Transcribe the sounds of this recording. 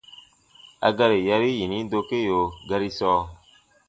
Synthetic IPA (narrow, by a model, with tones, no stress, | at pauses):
a̰˧ɡa˧ɾi˨ja˧ɾi˦ji˨ni˦do˧ke˦jo˨ɡa˧ɾi˦sɔː˧˦